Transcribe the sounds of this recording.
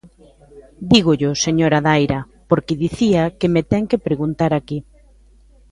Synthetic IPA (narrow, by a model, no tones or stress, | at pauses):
d̪iɣʊʎʊseɲoɾaðajɾɐ | poɾkɪðiθiɐkemet̪ɛŋkepɾeɣunt̪aɾaki